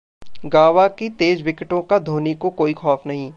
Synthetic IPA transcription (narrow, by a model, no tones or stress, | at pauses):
ɡaːʋakit̪eːd͡ʒʋɪkɪʈõkad̪ʱoːnikokoːixɔːfnɐɦĩː